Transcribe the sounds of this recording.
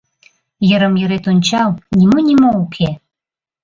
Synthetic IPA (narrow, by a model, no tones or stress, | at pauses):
jəɾəmjøɾet̪unʲt͡ɕɑwnʲimonʲimoukʰe